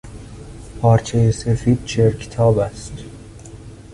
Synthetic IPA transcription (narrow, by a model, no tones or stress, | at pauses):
pʰɒːɾt͡ʃʰejese̞fiːd̪̥̚t͡ʃʰeɾkʰe̥t̪ʰɒːbæst̪